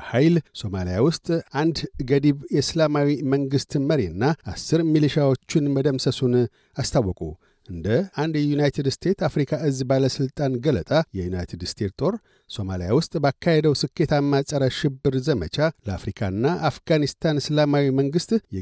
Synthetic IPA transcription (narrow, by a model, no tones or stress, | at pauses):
hajlso̞malijawʊst̪ʼand̪ɡəd̪iβjɛslamawiməŋɡɨst̪məɾenːaasːɨɾmiliʃawo̞t͡ʃːɪnməd̪əmsəsun | ast̪ʰawːɔkʼṵ | ɨnd̪əand̪jɛjunajt̪ʰed̪st̪ʰe̞t̪afɾikʰaɨzbaləsɨlt̪ʼanɡələ̰t̪ʼajɛjunajt̪ʰed̪st̪ʰe̞t̪t̪ʼo̞ɾ | so̞malija̰wʊst̪ʼbakʰːahed̪əwsɨkʰːe̞t̪ʰamːasʼəɾəʃɪbːɨɾzəmət͡ʃʰaləa̰fɾikʰanːaʔafɡanist̪ʰanslamawiməŋɡɨst̪ʼjɛ